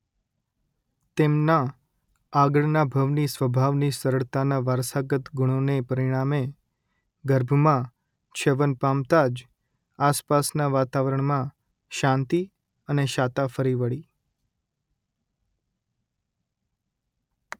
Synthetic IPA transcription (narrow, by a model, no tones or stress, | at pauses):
t̪emnaː | ɡəɭnabʱəʋnisʋəbʱaʋnisəɾəɭt̪anaʋaɾsaɡət̪ɡʊɽ̃onepəɾiɽ̃ame | ɡəɾbʱmã | t͡ʃʰeʋənpamt̪ad͡ʒ | aspasnaʋat̪aʋəɾəɳ̃mã | ʃãnt̪i | əneʃat̪afəɾiʋəɭi